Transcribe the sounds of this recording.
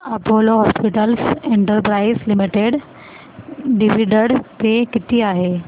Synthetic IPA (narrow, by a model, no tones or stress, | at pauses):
ɐpoːloɦɔːspiʈəlsẽɳʈəɾpɾaːɪzlɪmiʈeɖ | ɖiʋiɖəɽt̪ekɪt̪iaːɦeː